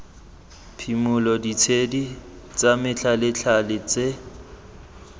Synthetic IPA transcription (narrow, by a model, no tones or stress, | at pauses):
pʰimʊlɔdit͡sʰedi | t͡samɪt͡ɬʰalɪt͡ɬʰalɪt͡se